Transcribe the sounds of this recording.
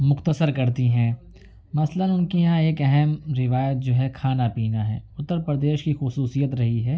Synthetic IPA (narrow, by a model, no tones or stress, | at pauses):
mʊxt̪əsəɾkɐɾt̪iɦɛ̃ː | mɐslənʊnkijɐãeːkɛɦɛmɾɪʋaːjət̪̚d͡ʒoːɦɛkʰaːnapiːnaɦɛ̰ːʊt̪ːəɾpɾəd̪eːʃkixʊsuːsijət̪ɾɐɦiɦɛː